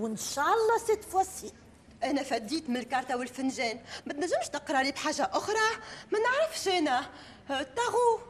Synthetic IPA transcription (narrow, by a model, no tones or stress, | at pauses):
wɪnʃæːʔɑlˤːɑset̪ːfwæsiːl | ʔænæfæd̪iːt̪mɪnlkɑːɾˤt̪awɪlfɪnʒɛːnmæt̪næʒːɪmʃt̪əqɾˤɑɾibħaːʒːaʔʊxɾˤɑmænəʕɾəfʃʔæːnæ | t̪ːæɣu